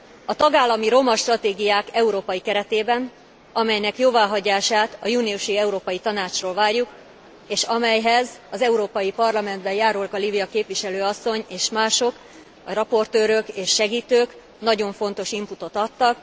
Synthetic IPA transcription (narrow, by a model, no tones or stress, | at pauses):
ɒt̪ɒɡaːlːɒmiɾo̞mɒʃt̪rɒt̪eːɡijaːkɛuɾoːpɒjikɛɾɛt̪eːbɛn | ɒmɛjnɛkjoːvaːɦɒɟaːʃaːt̪ɒjuːniuʃiɛuɾoːpɒjit̪ɒnaːt͡ʃroːlvaːrjuk | eːʃɒmɛjɦɛzɒzɛuɾoːpɒjipɒrlɒmɛnd̪bɛjaːɾulkɒlibijɒkeːpʋiʃɛløːɒsːo̞ɲeːʃmaːʃo̞k | ɒrɒpo̞rt̪øːɾøkeːʃːɛɡiːt̪øːk | nɒɟo̞ɱfo̞nt̪o̞ʃimput̪o̞t̪ɒt̪ːɒk